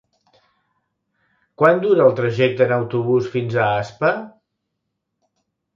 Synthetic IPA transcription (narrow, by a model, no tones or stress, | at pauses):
kwand̪uɾəːlˠt̪ɾəʒɛk̚t̪əːnəwt̪uβ̞usfinzəaspə